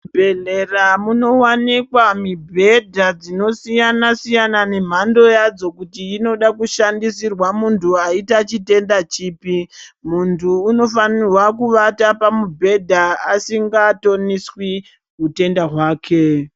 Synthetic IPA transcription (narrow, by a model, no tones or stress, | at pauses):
bʱeɮeramuno̞wanikwamibʱe̞dʱad͡zino̞sijanasijanane̞m̤ando̞jad͡zo̞kutiino̞ɗakuʃandisirwamuntʰuaitat͡ʃite̞ndat͡ʃiːpimuntʰuːno̞fanirwakuʋatapamubʱe̞dʱaasiŋɡato̞niswi | ɦute̞ndaɦwaːkʰe̞